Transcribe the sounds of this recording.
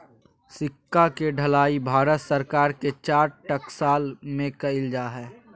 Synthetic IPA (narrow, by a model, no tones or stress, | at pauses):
sɪkːakeɖʱɐlaːibʱaːɾət̪səɾkaːɾket͡ʃaːɾʈɐksaːlmẽkɐɪld͡ʒaːɦɛː